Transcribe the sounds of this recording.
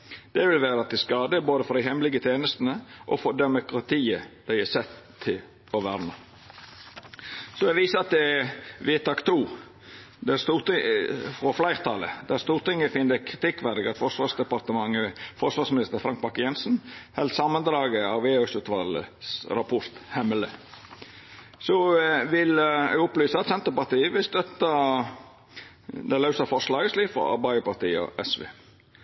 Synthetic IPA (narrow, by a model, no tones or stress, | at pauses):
d̪̥ɛʋɪlʋæːɾəɑt̪ɪskɑːd̪əboːd̪əfɔɾd̪æɪɦɛmlɪɡət̪ʰjeːnəst̪nəʔɔfɔd̪ɛmʊkʁɑt̪ʰiːəd̪̥æɪɛsɛt̪ʰːɪl | ɔʋæɾnə | sɔɛʋiːsəɑt̪̚d̪ɛʋɪːt̪ɑːkt̪ʰuː | d̪ɛæst̪uːɾt̪ɪfɾɔflæɪɾʁt̪ʰɑlə̰d̪̥æɾst̪uːɾt̪ɪŋːəfɪnːəkʰɾɪt̪ɪkːʋæd̪ɪɡɑt̪fɔʂʋɑːsd̪ɛpɑɾt̪əmɑŋːəfɔʂʋɑːsmɪnɪst̪əɾfɾɑŋk̚mɑkːəjɛnsn̩hɛlsɑmːənd̪ɾɑːɡəɑʋeːœsʉːt̪ʋɑlə̰sɾɑpʰɔɾt̪hɛmələ | sɔʋɪlɛ̰ɡʊplyːsəɑt̪sɛnt̪əɾpɑɾt̪iːəʋɪlst̪œt̪ə | d̪ɛlɑʉsəfɔʂlɑːɡəsliːfɾɔ̰ɑ̰ɾbɑɪəpɑɾt̪iːəɔ̰ʔɛsʋḛː